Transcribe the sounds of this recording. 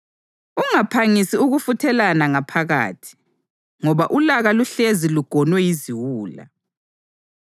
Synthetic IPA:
uŋapʰaŋisiuɣufutʰɛlanaŋapʰaɣa̰ːtʰi̥ | ŋɔβaʔulaɣaluɬeziluɡ̥ʱɔnwɛjiziwuːla̰

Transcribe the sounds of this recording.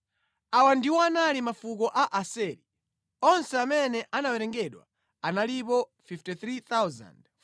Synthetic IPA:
awandiwɔanalimafuk̬ɔʔaʔasɛɾi | ɔnsɛamɛnɛʔanawɛɾɛŋɡɛɗwa̰ | analipɔfiftiθɾiθawza̰nd

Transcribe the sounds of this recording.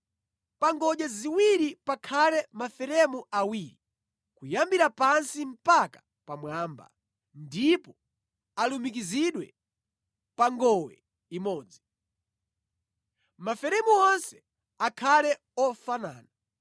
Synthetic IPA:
paŋɡɔʄaziwiɾipakʰalɛmafɛɾɛmuawiːɾi | kujambiɾapansim̩paka | pamwaːmba̰ | ndipɔ | alumik̬iziɗwɛ̰ | paŋɡɔwɛ̰ | imɔːd͡zi | mafɛɾɛmuɔnsɛ̥ | akʰalɛ | ɔfana̰ːna

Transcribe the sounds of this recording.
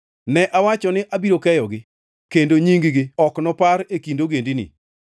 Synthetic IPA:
nɛʔawat͡ʃɔnɪʔabiɾokɛjɔɡɪ | kendoɲiŋɡɡɪɔknɔpaɾekindoɡendinḭ

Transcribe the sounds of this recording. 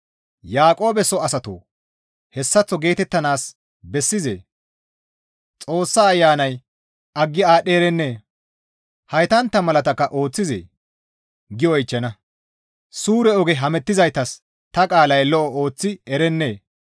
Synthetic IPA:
jaːkʼo̞ːbɛsɔɐsɐt̪o̰ː | hɛsːɐt͡sːɔɡe̞ːt̪ɛt̪ːɐnaːs | bɛsːɪzḛː | t͡sʼo̞ːsːaːjːaːnɐj | ɐɡːɪaːɗːeːɾɛnːe̞ː | hɐjt̪ɐnt̪ːɐmɐlɐt̪ɐkːɐʔo̞ːt͡sːɪzḛː | ɡɪjɔjɪt͡ʃːɐnɐ | suːɾɛɔɡɛɦɐmɛt̪ːɪzɐjt̪ɐs | t̪ɐkʼaːlɐjlɔʔɔo̞ːt͡sːɪɛɾɛnːe̞ː

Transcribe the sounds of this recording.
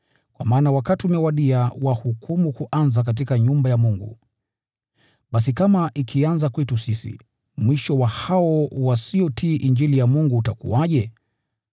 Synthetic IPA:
kwa̰maːnawakatiumɛwaɗiawahukʰumukuʔanzak̬at̬ikaɲumbajamuŋɡṵ | ɓasikamaʔikʰianzakwɛtusisḭ | mwiʃɔwahaɔwasiɔtʰiːʔiɲd͡ʒilijamuŋɡuːtakṵwaʄɛ

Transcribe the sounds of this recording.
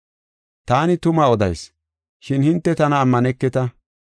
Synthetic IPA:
t̪aːnɪt̪ʊmɐɔd̪ɐ̰js | ʃɪnhɪnt̪ːɛt̪ɐnɐːmːɐnɛkːɛt̪ɐ

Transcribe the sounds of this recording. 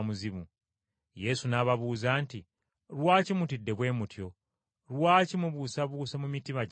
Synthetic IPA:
muziβu | je̞sunaβaβuːzaːnti | ɾwaːcimutidːe̞βwe̞ːmutjo̞ | ɾwaːcimuβusaβuːsamumitima

